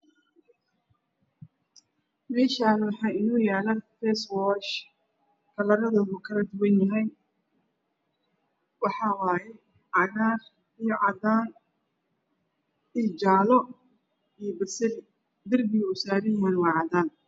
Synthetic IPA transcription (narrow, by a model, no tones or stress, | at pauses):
mɛːʃaːnwɑħɑːɪnuːjaːlɐfɛswɔʃ | kʰɐlɐɾɐðɔːɣukʰɐlɐd̪ʊwɐnjɐɦɛj | wɑħɑwɑːjɛ | ʕɑɣaːr | ijɔʕɑd̪aːn | it͡ʃaːlɔ | ijbɐsɐlɪ | d̪ɪrbɪɣʊsaːɾɪnwɐnwɑːʕɑd̪aːn